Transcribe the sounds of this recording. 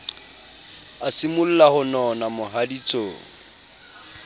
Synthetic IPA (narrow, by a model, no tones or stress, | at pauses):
asimʊl̩lahʊnɔnamʊɦadit͡sʼoːŋ̩